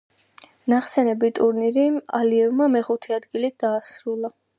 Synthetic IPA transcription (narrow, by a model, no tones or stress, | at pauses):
naχsɛnɛbit̪ʼuɾniɾimaliɛvmamɛχut̪ʰiad̪ɡilit̪̚d̪̥aːsɾulˠa